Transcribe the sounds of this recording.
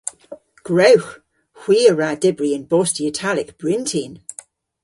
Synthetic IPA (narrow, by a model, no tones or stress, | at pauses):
ɡ̥ɹowx | hw̥iːəɹadɪbɹiə̃nbɔˑstiətʰalɪkb̥ɹɪ̃ntʰin